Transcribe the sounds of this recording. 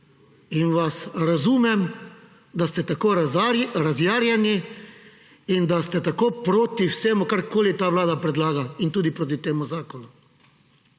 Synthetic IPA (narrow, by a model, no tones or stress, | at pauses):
inʋasɾazuːmɛm | d̪ast̪ɛt̪akoɾazjaːɾjani | ind̪ast̪ɛt̪akoːpɾoːt̪iwseːmukaɾkoːlit̪aːʋlaːd̪apɾɛd̪laːɡaint̪uːd̪ipɾoːt̪̬it̪eːmuzaːkɔnu